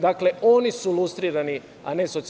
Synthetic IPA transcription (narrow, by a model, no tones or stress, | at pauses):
d̪akle̞ʔonisulˠust̪ɾiːɾani | a̰neso̞t̪s